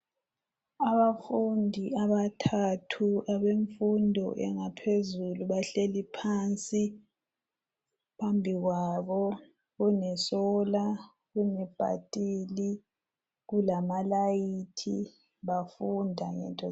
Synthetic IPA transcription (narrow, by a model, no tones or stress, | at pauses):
aβafundʱiaβatʰatʰuaβeɱfundʱɔ̰ʔɛ̰ŋapʰezuluβaɬelipʰaːnt͡sʼi | pʰambʱiɣwaβɔ | ɣunɛsɔla | ɣunɛb̥ʱa̰tʼiːli | ɣulamalajitʰi | βafundʱaŋɛ̰ntʼɔ